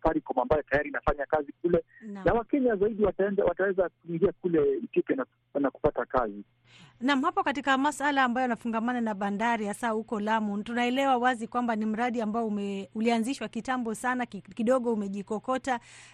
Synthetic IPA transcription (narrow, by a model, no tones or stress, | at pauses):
faɾikɔmambajɔtajaɾinafaɲakazik̚ulɛ | nanawakɛɲazaiɗiwaaɛnzawatawɛzakuiŋɡiakulɛitiɔpjɔna | naku̥patakazi | nam̩hapɔkatikamasalaːmbajɔjanafuŋɡamananaɓandaɾihasahukɔlamutunaɛlɛwawazikwambanim̩ɾaɗiambaɔumɛulianziʃwakitambɔsanakiɗɔɠɔumɛʄikɔkɔta